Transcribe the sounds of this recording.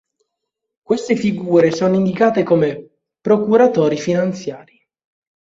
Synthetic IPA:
kwest̪efiɡuːɾesɔːnoind̪ikaːt̪ekome | pɾokuɾat̪ɔːɾifinant̪sjaːɾi

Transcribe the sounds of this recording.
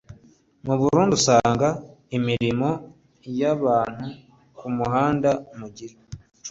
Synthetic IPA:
muβuɾuːndusaːŋɡaemiɾimo̞ | jaβaːn̥hu | kumuɦaːndamuɟiɾe

